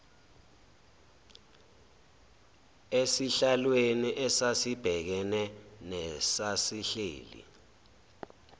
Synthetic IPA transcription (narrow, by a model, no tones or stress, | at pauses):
esiɬalweniʔɛsasib̥ʱɛk̬ɛnɛnɛsasiɬḛːlḭ